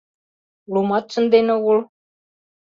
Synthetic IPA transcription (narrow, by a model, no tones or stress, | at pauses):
ulumɑt̪̚t͡ʃɤ̆nd̪enɘ̆ul